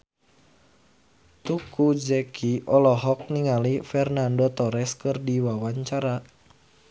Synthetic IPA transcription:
t̪ukud͡ʒɛkʰiʔɔlɔɦɔk̚niŋalifɛrnandɔt̪ɔɾɛskɨrdiwawaɲt͡ʃaɾa

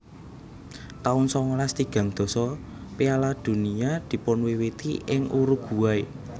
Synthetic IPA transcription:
t̪aʊnsɔŋɔlast̪iɡ̥ä̤ŋd̪̥ɔ̤sɔ | pealad̪̥ṳniad̪̥i̤pʊnwewet̪ḭɪ̰ŋʔuɾuɡ̥ṳwaj

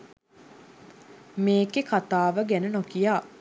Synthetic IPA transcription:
meːkekat̪aːʋəɡænənokijaː

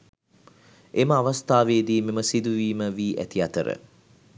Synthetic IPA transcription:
eməaʋast̪aːʋeːd̪iːmiməsid̪uʋiːməʋiːʔæ̰t̪iat̪əɾə̰

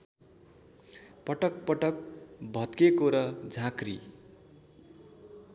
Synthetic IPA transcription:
pʌʈʌk̚pʌʈʌkbʱʌt̪kekoɾʌd͡zʱãkri

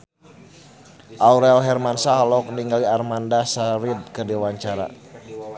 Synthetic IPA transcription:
ʔauɾɛlɦɛrmansaɦlɔk̚niŋɡaliarmandasaɾid̚kədiwaɲt͡ʃaɾa̰

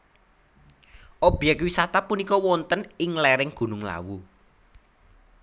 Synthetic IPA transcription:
ʔɔb̥jakwisat̪apunikɔwɔnt̪ənɪŋlɛɾɪŋɡ̥ṳnʊŋla̰wu

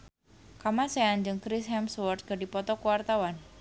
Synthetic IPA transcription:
kamaseand͡ʒɨŋkɾɪshɛmswɔrt̪̚ɡ̥adipɔt̪ɔkuwart̪awan

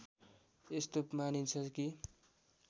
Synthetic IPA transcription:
est̪omanint͡sʰʌki

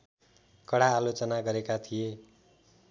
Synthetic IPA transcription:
kʌɽaːlot͡sʌnaɡʌɾekat̪ʰije

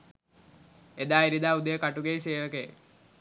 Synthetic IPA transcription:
ed̪aːiɾid̪aːud̪əjəkaʈuɡejseːʋəkḛ

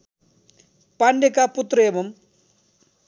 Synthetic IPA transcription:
paɳɖekaput̪ɾʌebɐm

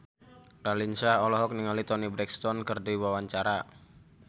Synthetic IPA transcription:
ɾalinsaɔlɔɦɔk̚niŋalit̪ɔnibɾɛkst̪ɔnkɨrdiwawaɲt͡ʃaɾa

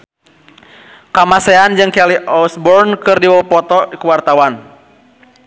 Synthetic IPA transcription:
kamasɛand͡ʒɨŋkɛliʔɔsbɔrnkɨrdiwɔpɔt̪ɔkəwart̪awan

